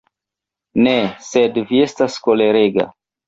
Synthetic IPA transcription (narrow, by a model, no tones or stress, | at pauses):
nese̞dvie̞staskole̞ɾeɡa̰